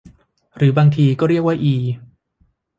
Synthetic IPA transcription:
ɾɯː˩˦baː˧ŋt̪ʰiː˧kɔː˥˩ɾi˥˩ək̚wa˥˩ʔiː˧

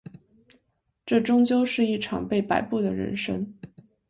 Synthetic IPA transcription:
ʈ͡ʂɤ˥˩ʈ͡ʂʊ˥ŋt͡ɕjo˥ʊʂɻ̩˥˧i˥˩ʈ͡ʂʰɑ̰˨˩ŋpe˥˩ɪpa˨˩ɪpu˥˩d̪ə˩ɻə̰˧˥nʂə̰˥ŋ

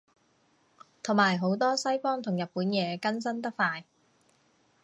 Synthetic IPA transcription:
t̪ʰʊ˨˩maː˨˩jɦo˨˥wt̪ɔː˥sɐ˥jfɔː˥ŋt̪ʰʊ˨˩ŋjɐ˨t̚puː˨˥njɛː˨˧kɐ˥nsɐ˥nt̪ɐ˥k̚faː˧j

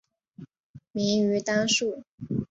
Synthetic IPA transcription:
mi˧˥ŋy˧˥t̪a˥nʂu˥˩

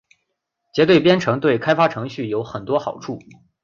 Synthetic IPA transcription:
t͡ɕjɛ˧˥t̪̬we˥˩ɪpjɛ˥nʈ͡ʂʰɤ˧˥ŋt̪we˥˩ɪkʰa˥ɪfa˥ʈ͡ʂʰɤ˧˥ŋɕy˥˩jo˧˥ʊxə˨˩nt̪wɔ˥xɑ˨˩ʊʈ͡ʂʰu˥˩

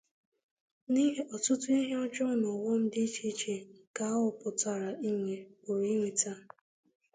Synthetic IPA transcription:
ni˦ɦe˦ʔɔ˨tʊ˦tʊ˦i˦ɦe˦ɔ˦d͡ʒɔ˦nɔ˨wɔ˦n̩˦dɪ˦i˦t͡ʃi˦t͡ʃe˨ka˨˦ʊ˨pʊ˨ta˨ɾa˨ʔi˦ŋʷe˨o˨ɾi˦ŋʷe˨ta˦

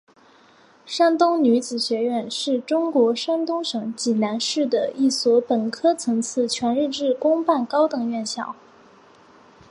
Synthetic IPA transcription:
ʂa˥nt̪ʊ˥ŋny˧˥t͡sɹ̩˨˩ɕɥɛ˧˥ɥɛ˥˧nʂɻ̩˥˩ʈ͡ʂʊ˥ŋkwɔ˧˥ʂa˥nt̪ʊ˥ŋʂɤ˧˥ŋt͡ɕi˨˩na˧˥nʂɻ̩˥˩d̪ə˩i˥˩swɔ˧˥pə˨˩nkʰɤ˥t͡sʰɤ˧˥ŋt͡sʰɹ̩˥˩t͡ɕʰɥɛ˧˥nɻ̩˥˧ʈ͡ʂɻ̩˥˩kʊ˥ŋpa˥˩nkɑ˥ʊt̪ɤ˨˩ŋɥɛ˥˧nɕjɑ̰˥˩ʊ

